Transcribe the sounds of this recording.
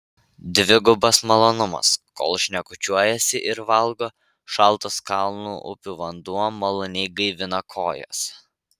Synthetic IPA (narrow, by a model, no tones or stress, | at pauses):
d̪ʲʋʲɪɡʊbɐsmɐlˠoːnʊmɐ̰sko̰ːlˠʃʲnʲɛkʊt͡ʃʲuɔjɛsʲɪʔɪɾʋɐlˠɡoː | ʃɐlˠˑt̪oskɑlˠnuːʔʊ̰pʲuːʋɐnd̪uɔmɐlˠɔnʲɛɪɡɐɪʋʲɪnɐkʰoːjɛ̰s